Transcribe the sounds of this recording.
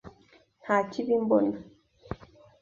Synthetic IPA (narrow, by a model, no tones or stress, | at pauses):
hat͡ʃibim̩bɔna